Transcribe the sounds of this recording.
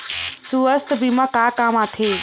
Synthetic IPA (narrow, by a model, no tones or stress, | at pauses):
suəst̪bimãkaːkaːmaːt̪ʰeː